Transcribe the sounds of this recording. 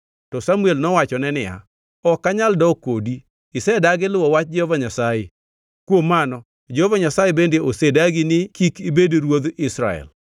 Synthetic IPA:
tɔsamuelnɔwat͡ʃɔnɛnɪja̰ | ɔkːaɲaldɔkodi | ɪsɛdaɡɪlwɔwat͡ʃ̚d͡ʒɔvaɲasaje | kwomːanɔ | d͡ʒovaɲasajebendeʔosedaɡɪnɪkikibedɾwod̪ɪsɾa̰ɛ̰l

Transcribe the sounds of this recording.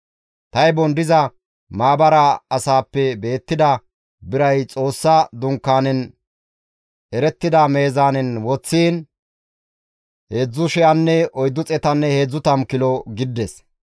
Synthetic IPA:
t̪ɐjbɔnd̪ɪzɐ | maːbɐɾɐɐsaːpːɛbe̞ːt̪ːɪd̪ɐ | bɪɾɐjt͡sʼo̞ːsːɐd̪ʊŋkːaːnɛn | ʔɛɾɛt̪ːɪd̪ɐme̞ːzaːnɛnwɔt͡sːiːn | heːd͡zːʊʃɛɐnːɛɔjd̪ːʊt͡sʼɛt̪ɐnːɛheːd͡zːʊt̪ɐmkɪlɔɡɪd̪ːɛs

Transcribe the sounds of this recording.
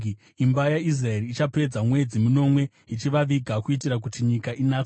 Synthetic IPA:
imbajais̬raeriːt͡ʃape̞d͡zamwe̞d͡zimuno̞mwe̞ | it͡ʃiʋaʋiɡʱakuitiɾak̬utiɲikaʔinaːt͡so

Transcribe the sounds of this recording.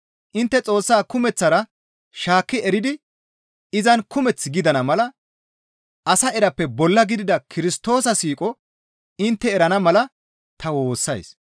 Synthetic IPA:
ʔɪnt̪ːɛt͡sʼo̞ːsːaːkʊmɛt͡sːɐɾɐ | ʃaːkːɪɛɾɪd̪ɪ | ɪzɐnkʊmɛt͡sːɡɪd̪ɐnɐmɐlɐ | ʔɐsɐɛɾɐpːɛbɔlːɐɡɪd̪ɪd̪ɐkʰɪɾɪst̪o̞ːsɐsiːkʼɔ | ɪnt̪ːɛːɾɐnɐmɐlɐ | t̪ɐwo̞ːsːɐ̰js

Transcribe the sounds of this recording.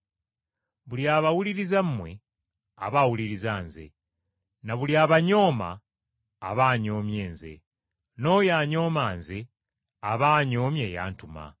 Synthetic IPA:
βuljaːβawuliɾizamːwe | a̰βawuliɾizaːnze̞̰ | naβuljaβaɲo̞ːma̰ː | βaːɲo̞ːmje̞ːnze̞̰ | no̞jaːɲo̞ːmaːnze̞ | aβaːɲo̞ːmje̞ja̰ːntuma̰

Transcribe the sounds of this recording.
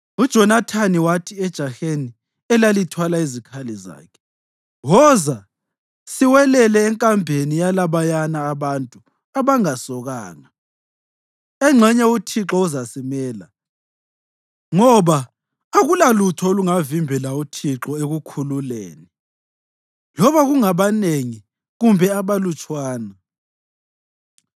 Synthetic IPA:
ud̥ʒ̥ʱɔnatʰaniwatʰiɛd̥ʒ̥ʱaxeni | ɛlalitʰwalaizikʰaliza̰ːkʰɛ̥ | ɣɔza | siwɛlɛlɛːŋkʼambʱenijalaβajanaːβantʼu | aβaŋasɔɣa̰ːŋa | ɛŋ͡ǁʱɛɲɛutʰiǁɔuzasimɛːla | ŋɔβaː | ɣulalutʰɔoluŋavimbʱɛlautʰiǁɔeɣukʰululḛːni | lɔβaɣuŋaβaneŋi | ɣumbʱɛaβalut͡ʃʼwaːna

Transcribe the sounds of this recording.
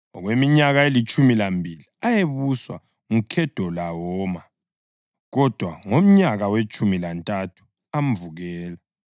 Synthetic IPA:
ɔɣwemiɲaɣaelit͡ʃʼumilambʱiliajeβuswa̰ | ŋukʰɛd̥ʱɔlawɔːma | ɣɔd̥ʱwaŋom̩ɲaɣawet͡ʃʼumilantʼatʰu̥ | amvuɣɛːlɛ

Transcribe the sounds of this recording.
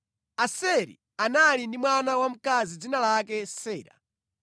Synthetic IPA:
asɛɾḭ | analindimwanawam̩kazid͡zinalakɛsɛːɾa̰

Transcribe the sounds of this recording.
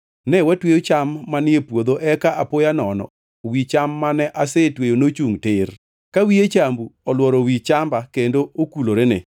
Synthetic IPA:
nɛwɛtwejot͡ʃamːanɪepwod̪oʔɛkaʔapojanɔnɔ̰ | wit͡ʃamːanɛʔasetwejonot͡ʃuŋtɪr | kawiet͡ʃambuɔlwɔɾɔwit͡ʃambakendookuloɾenɪ̰

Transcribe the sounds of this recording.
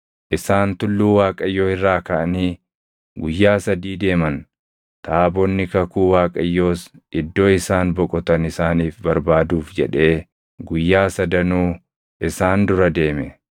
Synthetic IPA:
ʔɪsaːnt̪ʊlːuːwaːkʼɐjːoːɪrːaːkɐʔɐniː | ɡʊjːaːsɐd̪iːd̪e̞ːmɐn | t̪aːbɔnːɪkɐkuːwaːkʼɐjːo̞ːs | ɪd̪ːoːɪsaːnbɔkʼɔt̪ɐnɪsaːniːfbɐɾbaːd̪uːfd͡ʒɛ̰ᶑe̞ː | ɡʊjːaːsɐd̪ɐnuː | ʔɪsaːnd̪ʊɾɐd̪e̞ːmɛ

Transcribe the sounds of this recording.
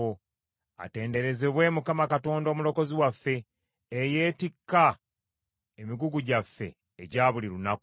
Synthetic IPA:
a̰te̞ːnde̞ɾe̞zeβwe̞ːmukamakato̞ːndo̞ːmulo̞ko̞ziwafːe̞ː | je̞ːtikːa | emiɡuɡuɟafːe̞̰ː | ɟaːβuliɾunaku

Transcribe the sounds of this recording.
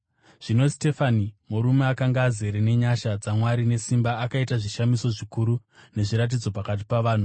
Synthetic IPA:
ʐ̥ino̞ste̞fanimuɾume̞akaŋɡaːze̞ɾene̞ɲaʃad͡zamwaɾine̞simbaːkaitaʐiʃamiso̞ʐikuɾu | ne̞ʐiɾat̬id͡zo̞pakat̬i̥paʋaːn̤u

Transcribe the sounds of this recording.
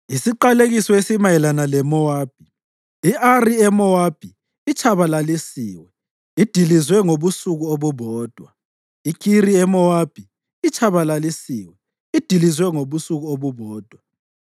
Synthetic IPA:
isiǃaleɣisɔesimajɛlanalɛmɔwaːb̥ʱiː | ʔariɛmɔwab̥ʱiː | t͡ʃʰʼaβalalisiːwɛ | id̥ʱilizwɛŋoβusuɣuoβuβɔːd̥ʱwa | ikʰiriɛmɔwab̥ʱi | it͡ʃʰʼaβalalisiːwɛ | id̥ʱilizwɛŋoβusuɣuoβuβɔːd̥ʱwa

